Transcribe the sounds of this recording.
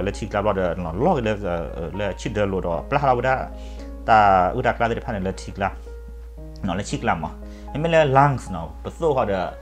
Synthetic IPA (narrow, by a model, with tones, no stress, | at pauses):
lɛ˧tʰi˧˨kla˧˨lɔ˧˨də˧˨nɔ˨lɔ˦˨ɡə˧˨lɛ˧ə˨lɛ˧t͡ʃʰi˦də˧˨lo˧˨dɔ̰˧˨pla˦˨la˧˨u˧da˧ | t̪a˧ʔɨ̰˧˨da˧kla˧ə˧dɛ˨pʰa˧˨nɛ˨lɛ˧tʰi˧˨kla˧˨ | nɔ̃˨lɛ˧˦t͡ʃʰi˦kla˧mɔ̰˧˨ | ɛ˧˦me˦˨lɛ˧la˧˨ŋsnɔ˨pə˨so˧˨ha˧˨də˧˨